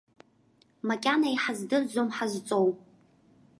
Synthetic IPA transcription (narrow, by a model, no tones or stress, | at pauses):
makʲʼanaiħazdɨrzomħazt͡sʼow